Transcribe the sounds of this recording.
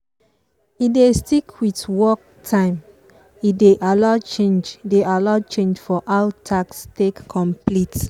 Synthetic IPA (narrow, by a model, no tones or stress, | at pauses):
idestikʰwitwɔk̚ | tʰãɪ̃m | ideʔalɔt͡ʃẽnd͡ʒdealɔt͡ʃẽnd͡ʒfɔʔaʊtʰakstekkʰːɔ̃mplit